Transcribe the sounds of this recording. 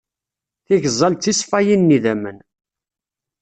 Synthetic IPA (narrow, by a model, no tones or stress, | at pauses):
θiʝzˤːɑlt̪ːisfæjinːiðæmən